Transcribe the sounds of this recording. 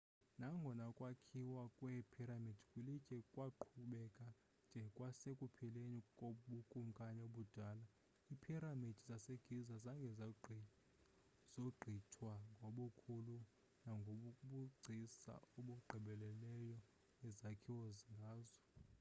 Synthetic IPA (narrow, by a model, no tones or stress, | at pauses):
naŋɡʱɔnakʼwakʰiwakʼwɛpʰiɾamid̥ʱikʼilicʼɛkʼwaǃʰuɓɛkʼa | nd͡ʒʱɛkʼwasekʼupʰilenikʼoɓukʼum̩kʼanɛoɓud̥ʱaːla | ipʰiɾamid̥ʱizaseɡ̥ʱizazaŋɡʱɛ | z̥oɡ͡ǃʱitʰwaŋɡʱoɓukʰulu | naŋɡʱoɓukʼuɓuɡ͡ǀʱisa̰oɓuɡ͡ǃʱiɓɛlɛlɛjɔ | ɛzakʰiwoziŋɡʱaːzɔ